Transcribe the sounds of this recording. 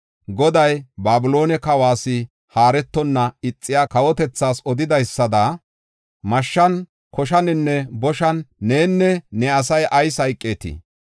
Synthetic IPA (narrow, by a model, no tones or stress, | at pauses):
ɡɔd̪ɐjbaːbɪlo̞ːnɛkɐwaːsɪ | haːɾɛt̪ːɔnːɐɪt͡sʼːɪjaːkɐwɔt̪ɛt͡sːaːsɔd̪ɪd̪ɐjsːɐd̪a | mɐʃːɐn | kɔʃɐnɪnːɛbɔʃɐnːe̞ːnːɛnɛɐsɐjʔɐjsɐjkʼːe̞ːt̪ɪ̰